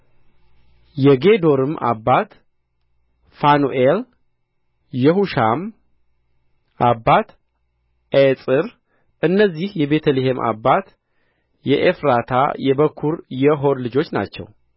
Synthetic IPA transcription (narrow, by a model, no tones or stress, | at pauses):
jɛɡe̞d̪o̞ɾɨmʔa̰bːat̪ | fanuʔel | jɛɦuʃam | ʔabːat̪ | esʼɨɾ | ʔɨnːəzːihjɛbe̞t̪ʰəliɦemʔa̰bːat̪ | jɛʔefɾat̪ʰa̰jɛbəkʰːuɾjɛɦo̞ɾlɨd͡ʒo̞t͡ʃːna̰t͡ʃːɛ̰w